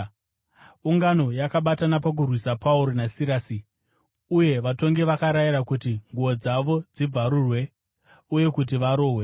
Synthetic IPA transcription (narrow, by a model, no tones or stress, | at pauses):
uŋɡano̞jakaɓatanapak̬urwisapauɾo̞nasiɾaːsi | uje̞ʋato̞ŋɡe̞ʋakaɾajiɾakutiŋɡuo̞d͡zaʋo̞d͡zib͡vaɾurwe̞ | uje̞kut̬iʋaɾo̞ːwe̞